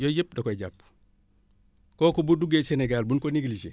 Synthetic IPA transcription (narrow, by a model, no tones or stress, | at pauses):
jojep̚dokojɟap | koːkubuduɡeseneɡalbunkoniɡlid͡ʒe